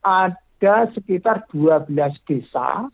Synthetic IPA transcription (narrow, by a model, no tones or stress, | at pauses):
ʔaɖ̥asəkit̪ard̪̥uabəlasd̪̥esa̰